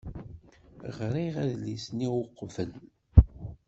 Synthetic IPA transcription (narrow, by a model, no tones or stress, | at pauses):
ʁɾiʁæðlisniwʊqːvəl